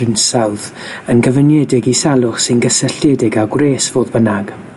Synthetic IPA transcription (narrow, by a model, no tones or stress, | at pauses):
ɪnsawðənɡəvənjɛdɪɡisalˠʊχsɪnɡəsəɬɛdɪɡaɡwreːsv̥oːðbənaɡ̥